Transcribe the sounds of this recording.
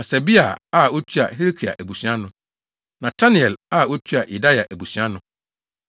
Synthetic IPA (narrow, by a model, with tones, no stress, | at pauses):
ã˨sɛ˨bi˦a˨a˦˨o˦tʰi˦a̰˨he˦ɾi˦kʰi˨a̰˨ʔæ˨bu˨sũ˨˦ã˦nʊ̃˨ | nã˨tʰa˦nɪ̃˨ɛ˨la˦˨o˦tʰi˦a˨ʔi˨da˦ja˨ʔæ˨bu˨sɥ̃ã˦nʊ̃˨˦